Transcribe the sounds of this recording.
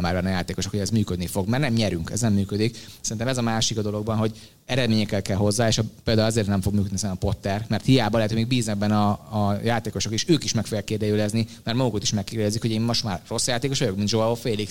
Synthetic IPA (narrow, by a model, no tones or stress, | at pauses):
maːrvɛnːɒjaːt̪eːko̞ʃokhoɟɛzmyːkød̪nifo̞ɡmɛrnɛmɲɛɾyŋkɛ̰znɛmːyːkød̪iksɛɾint̪ɛmɛzɒmaːʃikɒd̪o̞lo̞ɡ̚bɒnɦo̞ɟ | ɛɾɛd̪meːɲɛkɛlkɛlɦo̞zːaːeːʃpeːld̪aːulɒzeːrt̪nɛɱfo̞ɡ̚myːkød̪isɛnɛpo̞t̪ːɛrmɛrt̪hijaːbɒlɛt̪ojmeɡ̚biːznɛɡ̚bɛnɒːjaːt̪eːko̞ʃo̞keːʃøːkiʃmɛkfoɛjɛkːeːrd̪ɛjøːlɛznimɛrt̪mɒɡukot̪i̥ʃmɛkːeːrd̪ɛzikho̞ɟeːmːo̞ʃt̪maːrːo̞sjaːt̪eːko̞ʃʋɒjo̞kmind̪ʒoɛofeːlik